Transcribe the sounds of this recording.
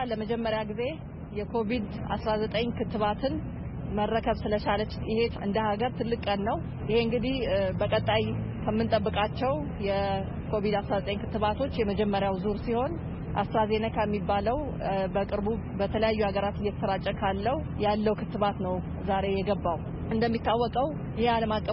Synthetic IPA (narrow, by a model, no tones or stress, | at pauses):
ləməd͡ʒɛmːəɾjaɡize̞ | jɛkʰo̞βid̪ | a̰sɾazət̪ʼəɲkʰɨt̪ːɨβat̪ʰɨn | mərːəkʰəβsɨlət͡ʃalət͡ʃːɪhe̞t̪ɨ̰nd̪əhaɡəɾt̪ʰɨlːɨkʼːənːəw | jɪheɨŋɡɨd̪ihbəkʼət̪ʼːajkʰəmːɨnt̪ʼəbːɨkʼat͡ʃːɛw | jɛ | kʰo̞βid̪asɾazət̪ʼəɲkʰɨt̪ːɨβat̪ʰo̞t͡ʃːjɛməd͡ʒɛmːəɾjawzuɾsiho̞n | ʔa̰sɾaze̞nəkʰəmːibːaləw | bəkʼɨɾbubət̪ʰələjajːuaɡəɾat̪ɨjːɛt̪ʰə̥səɾat͡ʃʼːəkʰalːəwu | jalːəwkʰɨt̪ːɨβat̪nəw | zaɾe̞jɛɡəbːaw | ɨnd̪əmːit̪ːawːɔkʼəw | jɪhealəmakʼːə